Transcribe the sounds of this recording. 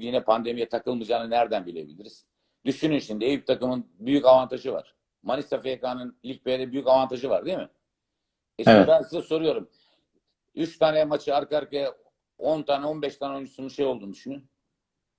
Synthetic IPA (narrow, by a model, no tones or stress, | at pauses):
inɛpʰand̪e̞mijɛt̪ʰakɯlˠmɯd͡ʒaːnɯnæɾd̪ænbilʲebilʲiɾiz̥ | d̪yʃynynʃind̪iejit̪ʰakɯmɯnbyjycavant̪ʰaʒɯva̰ɾ̥ | manisafejakaːnɯnilʲc̚bejd̪ɛbyjycavant̪ʰaʒɯvaɾd̪imɪ̰ | ɛʃibansɯzaso̞ɾujo̞ɾum | yt͡ʃt̪ʰaːnɛmat͡ʃʰɯaɾkaɾkaja | o̞nt̪ʰaːnɛo̞nbɛʃt̪ʰaːnɛojnd͡ʒu̥sununʃe̞jo̞lˠd̪und̪yʃynyn